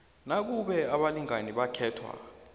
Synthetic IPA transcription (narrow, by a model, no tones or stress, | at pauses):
nak̬uɓɛaɓaliŋaniɓakʰɛːtʰwa̰